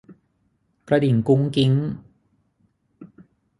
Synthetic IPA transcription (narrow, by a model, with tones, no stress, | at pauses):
kɾa˧di˨˩˦nku˦˥ŋki˦˥ŋ